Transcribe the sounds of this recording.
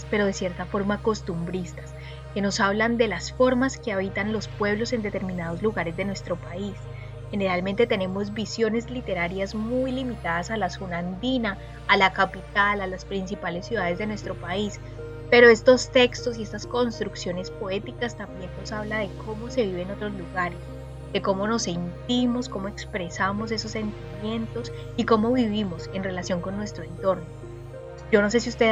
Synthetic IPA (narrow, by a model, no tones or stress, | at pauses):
pe̞ɾo̞ðe̞sje̞ɾt̪afo̞ɾmaːko̞st̪umbɾist̪ḁs | ke̞no̞saβland̪e̞lasfo̞ɾmaske̞aβ̞it̪anlo̞spwe̞βlo̞se̞nd̪e̞t̪e̞ɾmĩnað̞o̞zluɣaɾe̞zd̪e̞nwe̞st̪ɾo̞pais | he̞ne̞ɾalment̪et̪e̞ne̞mo̞zbisjo̞ne̞zlit̪e̞ɾaɾjazmujlimit̪aðasalasunand̪inaː | lakapit̪alalaspɾinsipale̞sːjuðaðe̞zd̪e̞nwest̪ɾo̞pais | pe̞ɾo̞e̞st̪o̞st̪e̞kst̪o̞sie̞st̪asko̞nst̪ɾuksjo̞nespo̞e̞t̪ikast̪ambje̞nnosaβlaðe̞kʰo̞mo̞se̞β̞iβe̞ːno̞t̪ɾo̞zluɣaɾe̞s | d̪̥e̞ko̞mo̞no̞se̞nt̪imo̞sko̞moe̞kspɾe̞samo̞s̬e̞sosːe̞nt̪imje̞nt̪o̞s | iko̞mo̞βiβimo̞se̞nre̞lasjo̞ŋko̞nːwe̞st̪ɾoe̞nt̪o̞ɾno | d͡ʒo̞no̞se̞siust̪e